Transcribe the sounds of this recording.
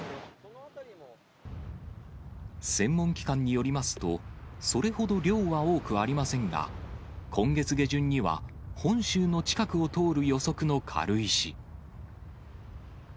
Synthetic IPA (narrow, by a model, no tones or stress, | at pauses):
sẽ̞mːõ̞ŋkʲi̥kãɲ̟ːijo̞ɾʲimasɨ̥t̪o̞so̞ɾe̞ho̞d̪o̞ɾʲo̞ːβao̞ːkɯ̟βaɾʲimasẽ̞ŋɡa̰ | kʰõ̞ŋɡe̞t͡sɨɡe̞ʑɨ̃ɲ̟ːiβa̰hõ̞ɰ̃ɕɨːno̞t͡ɕi̥kakɯ̟o̞t̪o̞ːɾɯ̟jo̞so̞kɯ̟no̞kʰa̰ɾɯ̟iɕi